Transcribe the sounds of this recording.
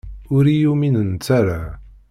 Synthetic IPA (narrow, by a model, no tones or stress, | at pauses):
ʊɾijuminənt͡sːaɾa